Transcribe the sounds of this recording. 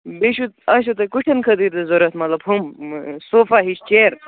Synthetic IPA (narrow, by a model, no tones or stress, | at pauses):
beʃut̪̚ɐʃ̬ut̪ɐkuʈʰɐnkʰɐd̪iɾd̪ezoɾɐt̪mɐt̪lɐbɦumsoːfaɦiʃt͡ʃeɾ